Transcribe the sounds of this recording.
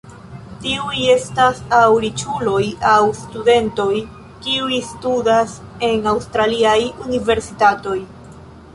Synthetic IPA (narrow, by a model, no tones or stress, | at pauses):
tiuje̞stasawɾit͡ʃulo̞jawstude̞nto̞j | kiujstudas | e̞nawstɾaliajunive̞ɾsitato̞j